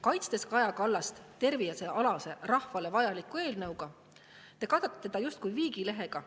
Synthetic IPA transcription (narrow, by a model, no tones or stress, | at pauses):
kɑjt̪st̪e̞skɑjɑkɑlːɑst̪t̪ːe̞rvijɑse̞ʔɑlɑse̞rɑhvɑle̞vɑjɑlikːˑue̞ːlnɤwɡ̥ɑ | t̪e̞kɑd̪̥ɑt̪ːet̪ːed̪̥ɑjust̪̚kujviːɡile̞ɦe̞ɡ̥ɑ